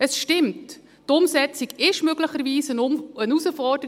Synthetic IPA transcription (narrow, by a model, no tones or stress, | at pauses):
əsʃtɪmt | tʊmsɛt͡siɡɪʃmøɡləχəɾviːsənənusəfɔrdə